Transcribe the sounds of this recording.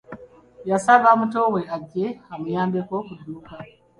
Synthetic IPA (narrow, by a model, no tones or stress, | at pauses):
jasaβamutowe̞aɟːeamujaːmbekokuduːka